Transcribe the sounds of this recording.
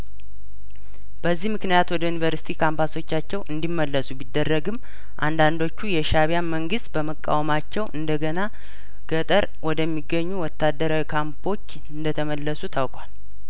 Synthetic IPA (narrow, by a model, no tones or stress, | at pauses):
b̥əzːihmɨknijat̪wɔd̪əjunivəɾsi̥t̪ʰikʰambaso̞t͡ʃːat͡ʃːɛwʔɨnd̪imːəlːəsubid̪ːərːəɡɨmː | ʔa̰nd̪and̪o̞t͡ʃːujɛʃaβijanməŋɡɨst̪bəməkʼːa̰wmat͡ʃːɛwʔɨnd̪əɡəna | ɡ̥ət̪ʼəɾ | wɔd̪əmːiɡːəɲːuwɔt̪ʰːad̪ːəɾawikʰampʰo̞t͡ʃː | ɨnd̪ət̪ʰəməlːəsut̪ʰawkʼwal